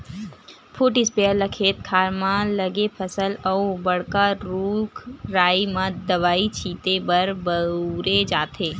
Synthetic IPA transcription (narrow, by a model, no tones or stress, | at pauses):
pʰuʈɪspeəɾləkʰeːt̪̚kʰaːɾmãləɡepʰəsəlɔubəɽkaɾuːkʰɾaːimãd̪əʋaːit͡ʃʰiːt̪ebəɾbəɾed͡ʒaːt̪ʰeː